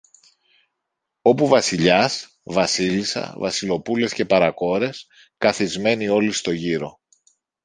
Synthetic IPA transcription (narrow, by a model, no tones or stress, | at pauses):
o̞puvɐsiʎɐs | vɐsilisɐ̰vɐsilo̞pule̞sce̞pɐɾɐko̞ɾe̞s | kɐθizme̞nio̞list̪o̞ʝiɾo̞